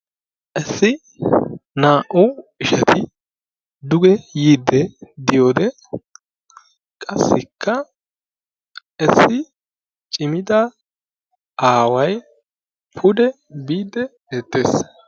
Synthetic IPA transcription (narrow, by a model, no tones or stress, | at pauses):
ʔɛsːɪ | naːʔʊwɪʃɐt̪ʰɪ | d̪ʊɡɛjiːd̪ɛd̪ɪjo̞ːd̪ɛ | kʼɐsːɪkʰːɐ | ɛsːɪ | t͡ʃʼɪmɪd̪ɐ | aːwɐj | pʰʊd̪ɛ | biːd̪ɛ | eːt̪ːeːs